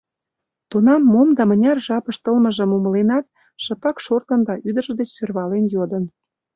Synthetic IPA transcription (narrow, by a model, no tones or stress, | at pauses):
t̪unɑmːomd̪ɑmə̆nʲɑrʒɑpə̆ʃt̪əlmə̆ʒə̆mumə̆lenɑt̪̚ | ʃɤ̆pɑkʃort̪ə̆nd̪ɑʔyd̪ə̆ʒə̆d̪et͡ɕsørβɑlenjod̪ə̆n